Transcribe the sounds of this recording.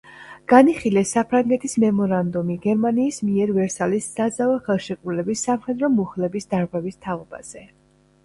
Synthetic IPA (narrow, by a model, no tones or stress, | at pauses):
ɡ̥aniχilɛsːapʰɾaŋɡɛt̪ʰismɛmɔɾand̪umiɡɛɾmaniːsmiɛɾvɛɾsalisːad̪zavaχɛlˠʃɛkʼulɛbisːamχɛd̪ɾɔmuχlɛbisd̪aɾʁwɛvist̪ʰaɔba̰z̥ɛ